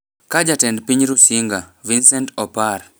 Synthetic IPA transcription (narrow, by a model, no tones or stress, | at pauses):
kad͡ʒatɛndpiɲɾusiŋɡavinsɛntɔpar